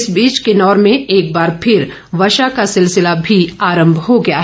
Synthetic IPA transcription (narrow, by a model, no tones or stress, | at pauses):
sbiːt͡ʃkenɔːɾmẽeːk̚baːɾpʰɪɾ | ʋɐʃakasɪlsɪlabʱiaːɾə̃mbʱɦoɡɐjaɦ